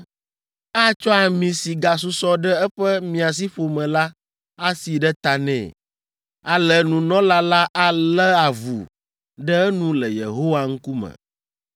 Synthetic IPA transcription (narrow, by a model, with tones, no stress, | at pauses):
a˦t͡ʃɔ˦a˨mĩ˨si˨ɡa˨s̬u˦sɔ˦ɖɛ˦ɛ˦ɸɛ˦mĩ˨a˨s̬i˦ɸo˨mɛ̃˨la˦ | a˦si˨ɖɛ˦t̪a˨nɛ̰̃˦˨ | a˦lɛ˨nũ˨nɔ̃˦la˦la˦ʔa˦lɛ˦a˨vṵ˨ | ɖɛ˦ɛ˦nũ˦lɛ˨jḛ˨ɦo˦wa˨ŋ̩˦ku˦mɛ̰̃˨